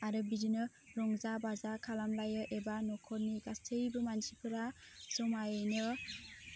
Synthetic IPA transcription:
aɾɯbidinɯ | ɾɔŋzabazakʰalamlajɯʔebanɔkʰɔɾniɡastʰɯjbɯmansipʰɯɾasɔmajnɯ

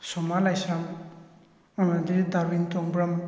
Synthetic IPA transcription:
sɔmalajsɾaŋ | amadidaɾwintɔŋbɾam

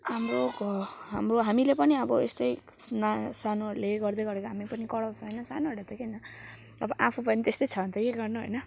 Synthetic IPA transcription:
ɦamroɦamroɦamilepʌniʌbʌḛst̪ʌjnasanoleɡʌrd̪ejɡʌɾekoɦamipʌnikʌɽaw̃t͡sʰʌ̃ɦʌjnʌsanoɦʌɾat̪ʰekenʌ | ʌbʌʔapʰũpʌnit̪est̪ʌjt͡sʰʌnt̪ʌjeɡʌrnuɦo̰jnʌ

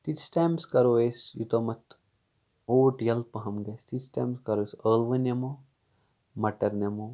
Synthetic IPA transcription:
t̪it͡ʃʈaːmskɐɾoesjṵt̪omɐt̪ | oːʈjɐlpɐɦɐmɡɐst̪it͡ʃʈɐ̰ːmskɐɾoːesəːlʋɐnjɐmo | mɐʈɐɾnɐmoː

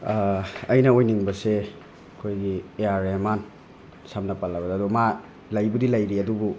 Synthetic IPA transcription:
ɐjnɐojniŋbɐse | ɐkʰojɡieaɾeman | samnɐpalːɐbɐdaːduma | lajbudilɐjɾiɐdubu

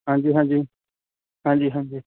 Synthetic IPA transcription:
ɦãːɲd͡ʒiːɦãːd͡ʒiː | ɦãːɲd͡ʒiːɦãːd͡ʒiː

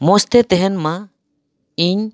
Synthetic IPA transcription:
mɔst̪ɛt̪ɛɦɛnma | iɲ

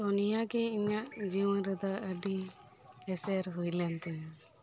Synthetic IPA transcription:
ɔnijaɡɛiɲaʔd͡ʒiwnɾəd̪aʔəɖi | ɛsɛɾɦujlɛnt̪ɛ

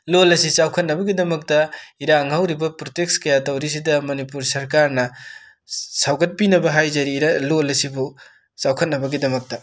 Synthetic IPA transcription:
lolɐsit͡ʃawkʰɐt̚nɐbɐɡidɐmɐk̚tɐiɾaŋɦawɾibɐpɾotekskɐjatɐwɾis̬idɐmɐnipuɾsɐɾkaɾnɐ | sawɡɐt̚pinɐbɐɦajzɐɾiɾalolɐsibu | t͡ʃawkʰɐt̚nɐbɐɡidɐmɐk̚tɐ

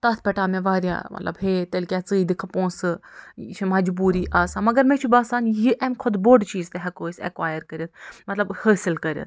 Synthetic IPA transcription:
t̪ɐt̪ʰpʲɛʈaːmẽʋaːɾja̰ːmɐ̰t̪lɐ̰bɦeːt̪ɐlkʲaːt͡sɨːid̪ikʰpõːsɨt͡ʃʰmɐd͡ʒbuːɾiʔaːsãːmɐɡɐɾmẽt͡ʃʰubaːsaːnjiʔɐmkʰʊd̪boːɖt͡ʃiːzt̪eɦɐkoːsɐ̰kwaːjəɾkɐɾʲɐt̪̚ʰmɐt̪lɐbhəːsilkɐɾʲɐ̰t̪ʰ

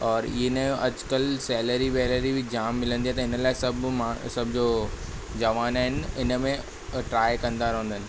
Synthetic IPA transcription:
ɔːɾinẽɐ̰d͡ʑkəlsɛːləɾibɛːləɾibʱid͡ʑaːmːɪlə̃nd̪ijat̪ɐɪnəlaːɪsɐbʱmasɐb̚d͡ʑoː | d͡ʑɐʋaːnaːɦɪnɪnəmẽ | ʈɾaːjkɐ̃nd̪aːɾɐɦũnd̪əɦnɪ̆

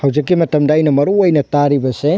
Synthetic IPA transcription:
hɐwzikːimɐtɐmdaːjnɐmɐɾuɐjnɐtaɾibɐse

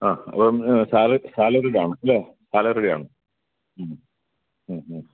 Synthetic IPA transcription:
aːɐ̰poːmsaːlɨsaːlɐɾiɽiaːɳɨɐlːesaːlɐɾiɽija̰ːɳɨ | mː

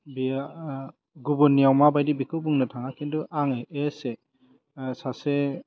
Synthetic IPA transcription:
bia | ɡubunːijawmabajdibikʰɯwbuŋnɯtʰaŋakinduʔaŋeese | sase

